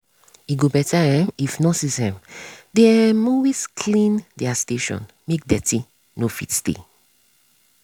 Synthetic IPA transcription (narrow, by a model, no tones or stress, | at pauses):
iɡobɛtaɛ̃mifnɔsisɛ̃mdɛ̃mowiskʰlĩndɛasteʃɔ̰̃n | mek̚dɛti | nofitstḛ